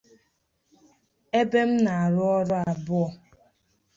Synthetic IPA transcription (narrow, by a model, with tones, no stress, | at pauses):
e˦be˦m̩˦na˨a˨ɾʊ˦ɔ˦ɾʊ˦a˨bʊ˦ɔ˨